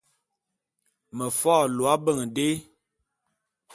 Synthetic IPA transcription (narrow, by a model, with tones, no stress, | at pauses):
mə˨fɔː˦˨lwa˦bə˦˨ŋ˨de˦